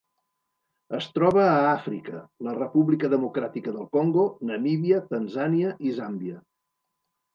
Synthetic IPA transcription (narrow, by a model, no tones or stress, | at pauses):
əst̪ɾɔβəːafɾikələrəpuβlikəðəmukɾat̪ikəðəlˠkoŋɡonəmiβiət̪ənzaniəʔizambiə